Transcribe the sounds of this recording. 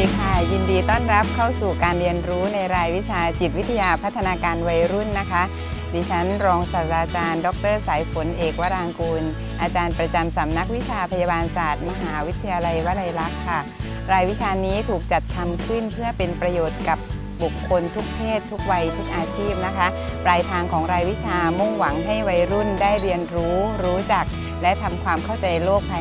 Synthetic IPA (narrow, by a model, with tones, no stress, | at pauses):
kʰa˥˩ji˧ndiː˧t̪ɔː˥˩nɾa˦˥p̚kʰa˥˩wsuː˨˩kaː˧nɾi˧ənɾuː˦˥na˧jɾaː˧jwi˦˥t͡ɕʰaː˧t͡ɕi˨˩t̪̚wi˦˥t̪ʰa˧jaː˧pʰa˦˥t̪ʰːa˧naː˧kaː˧nwa˧jɾu˥˩nːa˦˥kʰa˦˥ʔ | diː˧t͡ɕʰa˦˥nɾɔː˧ŋsa˨˩t̪ɾaː˧t͡ɕaː˧ndɔ˨˦˥k̚t̪ɤː˥˩saː˩˦jfo˩˦nʔeː˨˩k̚waː˦˥ɾaː˧ŋkuː˧n | ʔaː˧t͡ɕaː˧npɾa˧t͡ɕa˧msa˩˦mna˦˥k̚wi˦˥t͡ɕʰaː˧pʰa˧jaː˧baː˧nsaː˨˩t̪̚ma˧ɦaː˩˦wi˦˥t̪ʰːa˧jaː˧la˧jwa˦˥la˧jla˦˥kʰːa˥˩ | ɾaː˧jwi˦˥t͡ɕʰaː˧niː˦˥t̪ʰuː˨˩k̚t͡ɕa˨˩t̪̚k̪ʰːa˧mkʰɯ˥˩npʰɯ˥˩əpe˧npɾa˧joː˨˩t̪̚ka˨˩p̚ | bu˨˩kʰːo˧nt̪ʰu˦˥k̚t̪ʰeː˥˩t̪ʰːu˦˥k̚wa˧jt̪ʰu˦˥k̚ʔaː˧t͡ɕʰiː˥˩p̚na˦˥kʰa˦˥plaː˧jt̪ʰaː˧ŋkʰɔː˩˦ŋɾaː˧jwi˦˥t͡ɕʰaː˧mu˥˩ŋwa˩˦ŋɦa˥˩jwa˧jɾu˥˩ndaː˥˩jɾi˧ənɾuː˦˥ɾuː˦˥t͡ɕa˨˩k̚ | lɛ˦˥t̪ʰa˧mkʰwaː˧mkʰa˥˩wt͡ɕa˧jloː˥˩k̚pʰa˧